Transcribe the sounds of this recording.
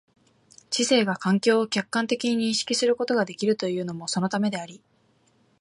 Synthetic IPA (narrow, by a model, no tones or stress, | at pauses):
ɕise̞ːɡakãŋkʲo̞ːkʲakːãnt̪e̞kʲiɲ̟iɲ̟ĩɕi̥kʲisɨɾɯ̟ko̞t̪o̞ɡad̪e̞kʲiɾɯ̟t̪o̞jɯ̟ːno̞mo̞so̞no̞t̪ame̞d̪e̞aɾʲi